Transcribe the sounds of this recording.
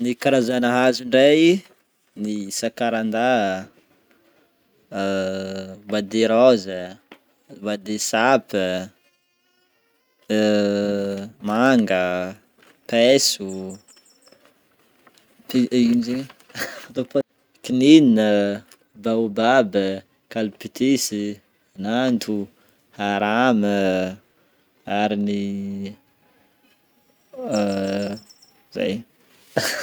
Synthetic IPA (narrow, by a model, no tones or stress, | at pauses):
nikaɾazanəɦazuɳɖ͡ʐaj | nisakaɾand̪a | vad̪eɾazə | vad̪esapə | maŋɡə | pesu | piimzeɲ | t̪op | kinininə | bawbabə | kalupit̪ʰisi | anant̪ʰu | haɾamə | aɾini | za̰j